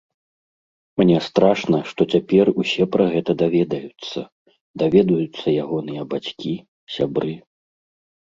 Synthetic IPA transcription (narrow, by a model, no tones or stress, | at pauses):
mnʲɛst̪ɾaʂnɐʂt̪ɔt͡sʲapʲɛrusʲɛpɾɐɣɛt̪ɐd̪avʲɛd̪ɐjut̪sːɐ | d̪avʲɛd̪ɐjut̪sːɐjaɣɔnɨjɐbat͡sʲkʲi | sʲabɾɨ